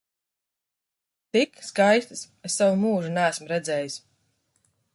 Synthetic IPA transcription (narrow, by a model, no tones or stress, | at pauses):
t̪ikskajst̪ɨs | esːawumuːʒunæːsmɾɛd̪zɛːjis